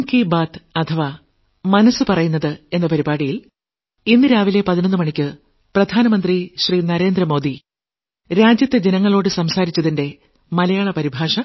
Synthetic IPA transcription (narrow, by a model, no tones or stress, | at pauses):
mkibaːt̪ɐt̪ʰɐʋa | mɐnɐsːɨpɐrɐjunːɐðɨe̞nːɐpɐɾibaːɽijil | inːɨɾaːʋile̞pɐðinɐnːɨmɐɳikʲːɨ | prɐd̪ʱaːnɐmɐnd̪riɕriːnɐɾe̞ːnd̪rɐmo̞ːd̪i | ɾaːd͡ʑjɐt̪ːed͡ʑenɐŋːɐɭo̞ːɽɨsɐmsaːɾit͡ɕːɐðinde̞ | mɐlɐjaːɭɐpɐɾibʱaːʂɐ